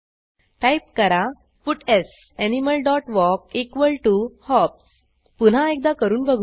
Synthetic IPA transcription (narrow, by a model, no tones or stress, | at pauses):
ʈajp̚kəɾa | puʈes | æniməlɖɔʈʋɔkekʋəlʈuhɔps | pun̤ãek̚d̪akəɾuːnbəɡʱ